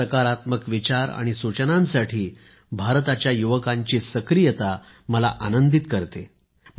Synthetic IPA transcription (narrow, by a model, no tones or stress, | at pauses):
əkaɾat̪məkʋit͡ɕaɾa̰ɽ̃isut͡ɕnãnsaʈʰiː | bʱaɾt̪at͡ɕjajuʋəkãɲt͡ɕiːsəkɾijət̪a | məla̰ʔanənd̪it̪kəɾt̪e